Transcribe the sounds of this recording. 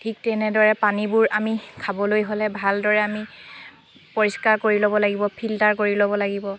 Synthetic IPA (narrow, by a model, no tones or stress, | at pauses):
tʰik̚tɛnɛdɔɹɛpanibuɹamikʰabɔlojɦolɛbʱaldɔɹɛami | poɹiskaɹkoɹilobɔlaɡibɔpʰiltaɹkoɹilobɔlaɡibɔ